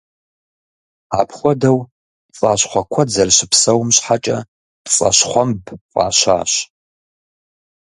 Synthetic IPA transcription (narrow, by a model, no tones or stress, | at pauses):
aːpʰχʷɔdɐw | t͡sʼaːɕχʷɔkʷʰɐd͡zɐrɕɪpsɐwmɕħat͡ʃʼɐ̰ | pt͡sʼɐ̰ɕχʷɔmbqʼa̰ːɕa̰ːɕ